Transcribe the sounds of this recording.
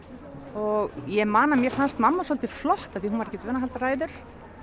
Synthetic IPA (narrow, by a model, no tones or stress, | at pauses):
ɔɣjɛmaːnamjɛɾ̥fanst̪mamːasɔlt̪ɪflɔht̪aθihunvaɾɛhcɪt̪vɛːnaɦalt̪araːjðʏɾ̥